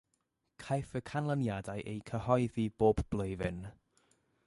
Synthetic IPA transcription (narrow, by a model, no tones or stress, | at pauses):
kʰajfəkʰanlˠənjadajʔejkʰəhɔɨðiboːbb̥lˠʊɨvɪn